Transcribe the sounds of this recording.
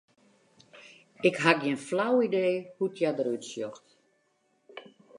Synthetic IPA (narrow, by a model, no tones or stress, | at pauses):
ɪkɦakjenflawideːhutʰjadəɾytsjɔxt